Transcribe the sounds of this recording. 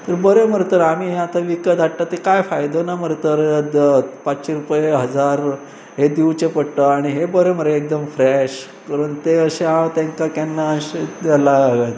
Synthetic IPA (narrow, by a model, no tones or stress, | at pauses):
t̪əɾbəɾeməɾt̪əɾam̤iːɦeat̪aʋikət̪aʈʈat̪ekajfajd̪onaməɾt̪əɾ | pat͡sɕeɾupjeɦəd͡zaɾ | ɦed̪iwt͡ɕepəɽʈ̪əaɽ̃iɦebəɾeməɾeek̚d̪əmfɾɛɕ | kaɾəɳt̪eəɕeãwt̪ɛ̃ŋkakɛnːaɕealaɡət̪